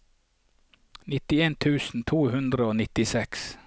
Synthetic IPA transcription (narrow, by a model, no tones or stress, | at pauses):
nɪt̪ɪeːnt̪ʰʉːsn̩t̪ʰuːhʉnd̪ɾəoːnɪt̪ɪsɛks